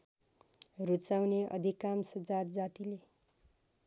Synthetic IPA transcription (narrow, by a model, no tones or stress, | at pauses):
rut͡sawneʔʌ̰d̪ʱikamsʌd͡zat̪̚d͡zat̪ile